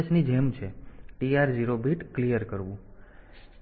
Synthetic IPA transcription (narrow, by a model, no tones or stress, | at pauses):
snid͡ʒɛmt͡ʃʰeʈiaɾd͡ʒiɾobʱiʈklijəɾkəɾʋũ